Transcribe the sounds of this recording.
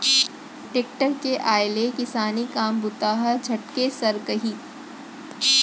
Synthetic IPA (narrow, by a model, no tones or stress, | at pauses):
ʈeːk̚ʈəɾkeʔaːɪlekɪsaːnikaːmbʊt̪aːɦəd͡ʒʱɐʈkesɐɾkɐɦiː